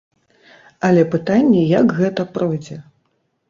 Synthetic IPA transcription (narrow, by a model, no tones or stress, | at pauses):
ɐlʲɛpɨt̪anʲːɛjɐɡɣɛt̪ɐpɾɔjd͡zʲɛ